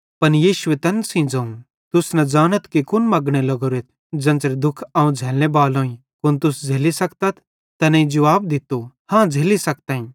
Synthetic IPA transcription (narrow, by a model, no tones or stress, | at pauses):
pɐnjiːʃʊet̪ɐ̃nsĩd͡zɐ̃ũ | t̪ʊsnɐ̃d͡ʒaːnət̪kikʊnmɐɡɽ̃elɐɡoɾeːt̪̚ʰ | d͡ʒɐ̃nt͡ʃəɾd̪ʊkʰãːũd͡zʱeːlnebaːlõːĩ | kʊnt̪ʊsd͡zʱeːlisɐkt̪ət̪̚ʰ | t̪ɐnɐĩd͡ʒɐʋaːb̚d̪ɪt̪ːo | hãːd͡zʱeːlisɐk̚t̪ãːĩː